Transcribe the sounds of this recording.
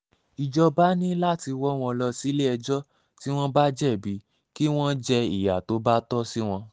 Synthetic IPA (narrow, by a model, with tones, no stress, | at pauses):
i˨d͡ʒɔ˧ba˦nĩ˦la˦ti˧wɔ˦w̃ɔ̃˧lɔ˧si˦le˦ɛ˧d͡ʒɔ˦ | ti˦w̃ɔ̃˦ba˦d͡ʒɛ˦˨bi˨˦ | ki˦w̃ɔ̃˦d͡ʒɛ˧i˨ja˨to˨˦ba˦tɔ˦si˦w̃ɔ̃˧